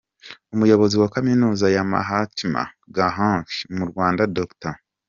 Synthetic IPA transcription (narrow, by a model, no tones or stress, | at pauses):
omujo̞βo̞ziwakaminuːzajama̰ɦatima̰ | ɡaɦãkimuɾɡwaːndadokta